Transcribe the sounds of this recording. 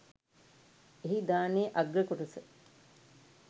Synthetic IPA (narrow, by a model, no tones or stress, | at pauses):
eɦid̪aːneʔaɡɾəkoʈusə